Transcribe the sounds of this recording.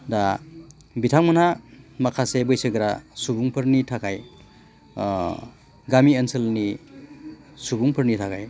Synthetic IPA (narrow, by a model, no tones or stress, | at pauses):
da | bitʰaŋmɐnamakʰasebɯjsɯɡɾasubuŋpʰɯɾnitʰakʰaj | ɡamiənsɐlni | subuŋpʰɯɾnitʰakʰaj